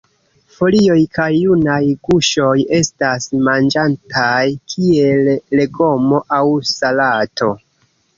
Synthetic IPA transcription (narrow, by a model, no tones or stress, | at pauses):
fo̞lio̞jkʰajːunajɡuʃo̞je̞stasmand͡ʒantʰajkʰie̞lːe̞ɡo̞mo̞ʔawsalatʰo̞